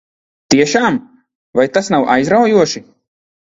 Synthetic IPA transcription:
t̪iɛʃaːm | vajt̪asnawʔa̰jzɾawjuɔʃi

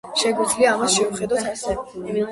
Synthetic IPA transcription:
ʃɛɡwid̪zliaːmasʃɛuχɛd̪asɛ

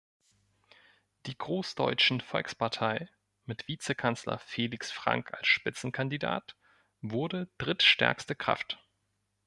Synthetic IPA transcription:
d̥iːɡʁoːsd̥ɔ̰ʏt͡ʃn̩fɔlkspaɐtʰaɪ | mɪtv̥iːt͡səkʰant͡slɐ̰feːlɪksfʁ̥a̰ŋkʰa̰lsʃpɪt͡sn̩kʰandida̰ːt | vʊɐdəd̥ʁɪtʃtɛ̰ɐkstəkʁ̥a̰ft

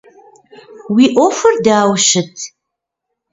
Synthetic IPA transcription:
wiːʔofɐrdaːwʃɪtʰ

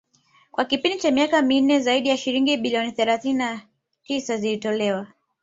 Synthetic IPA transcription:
kwakipindit͡ʃamiakamin̩nːɛzaiɗijaʃiɾiŋɡiɓiliɔniθɛlaθinina | tisazilitɔlɛwa

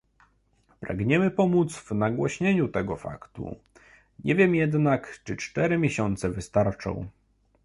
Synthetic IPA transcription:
pɾa̰ɡɲɛmɘpɔmut̪svnaɡwɔɕɲeɲut̪ɛɡɔfa̰kt̪ṵ | ɲɛvʲjɛmjɛd̪nakt͡ʂɘt͡ʂt̪ɛɾɘmʲjeɕɔnt̪sɛvɘst̪aɾt͡ʂɔ̰̃w̃

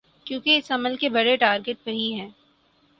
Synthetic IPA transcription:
kjõːkeɪsɐməlkebɐɽeʈaːɾɡeʈ̚pɐɦiɦɛ̃ː

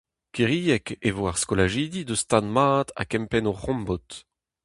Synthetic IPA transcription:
kiʁijɛkevoaʁskolaʒiːd̪id̪əst̪ad̪maːt̪a̰kɛmpɛnoʁɔ̃mbɔt̪

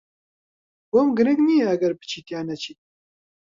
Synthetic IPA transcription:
womɡɨɾɨkniːjɛɐɡɐɾbɨ̥t͡ʃʰiːt̪jaːnɐt͡ʃʰit̪̚

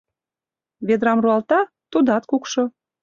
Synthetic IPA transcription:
βed̪ɾɑmruɑlt̪ɑ | t̪ud̪ɑt̪kukʃo

